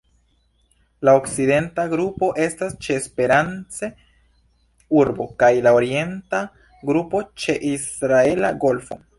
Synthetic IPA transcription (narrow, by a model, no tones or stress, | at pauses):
lao̞kt͡side̞ntaɡɾupo̞ʔe̞stast͡ʃe̞ːspe̞ɾant͡se̞ | uɾbo̞kajlao̞ɾie̞nta | ɡɾupo̞t͡ʃe̞ʔisɾae̞la̰ɡo̞lfo̞̰